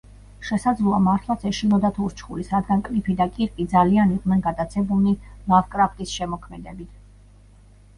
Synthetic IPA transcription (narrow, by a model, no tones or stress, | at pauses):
ʃɛsad̪zlˠuamaɾt̪ʰlˠat̪sʰɛʃinɔd̪at̪ʰuɾt͡ʃʰχulisɾad̪ɡankʼlipʰid̪akʼiɾkʼid̪zalianiʁnɛnɡad̪at̪sʰɛbuninavkʼɾapʰt̪ʼisʃɛmɔkʰmɛd̪ɛbit̪ʰ